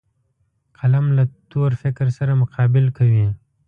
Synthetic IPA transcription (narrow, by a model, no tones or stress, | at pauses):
qʰɐlɐmlat̪oːɾfɪkɾsɐɾamʊqɑːbɪlkɐwi